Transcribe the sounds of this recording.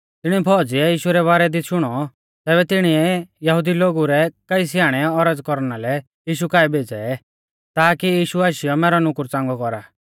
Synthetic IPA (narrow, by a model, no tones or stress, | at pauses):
t̪ɪɽ̃ipʰɔd͡ziɛjiːʃuɾɛβaːɾɛd̪iʃʊɽ̃ɔ | t̪ɛːβɛt̪ɪɽ̃iɛjɐɦud̪iloːɡuɾɛkɐis̬ɪaːɽ̃ɛɔɾəd͡zkɔɾnalɛ | jiːʃukaːibʱeːd͡zɛɛ | t̪aːkijiːʃuaːʃɪjɔmɛːɾɔnʊkʊɾt͡sãːŋɡɔkɔɾaː